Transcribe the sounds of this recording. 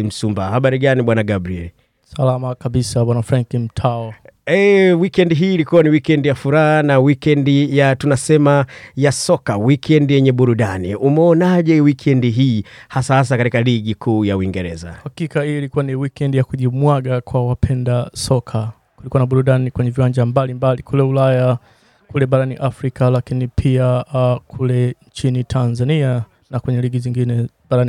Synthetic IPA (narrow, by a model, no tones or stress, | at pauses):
m̩sumbahaɓaɾiɠaniɓwanaɡabɾiɛli | salamakaɓisaɓwanafɾaŋkinm̩tʰaɔɛwikɛndiɦiːlikuwaniwikɛndijafuɾaɦanawikɛndijatunasɛmajasɔkawikʰɛndijɛɲɛɓuɾuɗanḭʔumɛɔnaʄɛwikʰɛndiɦiːhasahas̬akatikaliɠikʰuːjauiŋɡɛɾɛ̰za̰hakikahiilikuwaniwikɛndijakuʄimwaɠakwawapʰɛndasɔkʰa | kulikuwanaɓuɾuɗanikwɛɲɛviwaɲd͡ʒambalimbalikʰulɛulaja | kulɛɓaɾaniʔafɾikalakinipʰiakʰulɛɲt͡ʃinitʰanzania | nakwɛɲɛliɠiziŋɡinɛ | ɓaɾan